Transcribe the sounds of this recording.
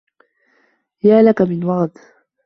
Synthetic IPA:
jaːlakamɪnwɑɣt̪

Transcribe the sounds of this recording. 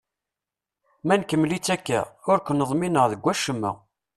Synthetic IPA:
mænkəmːlit͡sːækːæ̰ʊɾkʷənəðˤminəʁðəɡʷːæʃəmːə̰

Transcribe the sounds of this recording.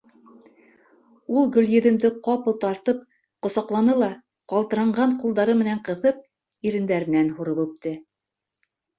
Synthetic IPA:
ulˠɡɵ̆lʲjɘ̆ðɘ̆md̪ɘqɑpɤ̆lˠt̪ɑɾt̪ɤp̚ | qŏsɑqlˠɑnɤlˠɑ | qɑlˠt̪ɤ̆ɾɑɴɢɑɴqulˠd̪ɑɾɤmɘ̆næɴqɤ̆ðɤp̚ | iɾɘ̆nd̪æɾɘ̆nænhuɾɤpʉp̚t̪ɘ

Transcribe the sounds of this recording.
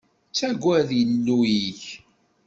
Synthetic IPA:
t͡sːæɡʷːæðjəlːujiç

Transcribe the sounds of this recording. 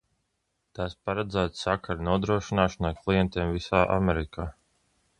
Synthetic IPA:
t̪aːspaɾɛd̪zæːt̪sakaɾnuɔd̪ɾuɔʃinaːʃɔnajklˠijɛnt̪eːmvisaːʔa̰mɛɾikʰaː

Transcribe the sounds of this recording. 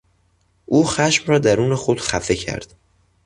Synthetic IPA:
ʔuːxæʃmrɒːd̪æɾuːne̞xod̪̥xæfe̞cʰæ̰ɾd̪̥

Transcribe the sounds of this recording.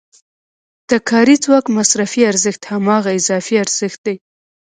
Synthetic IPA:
d̪̥əkʰɑɾit͡swɑkmasɾafiaɾzəxt̪hamɑɣaɪzɑfiaɾz̥əxt̪̚d̪aj

